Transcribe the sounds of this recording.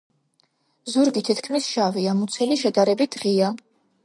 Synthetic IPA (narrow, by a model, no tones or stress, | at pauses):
zuɾɡit̪ʰit̪ʰkʰmisʃaviamut̪sʰɛliʃɛd̪aɾɛbit̪ʰʁia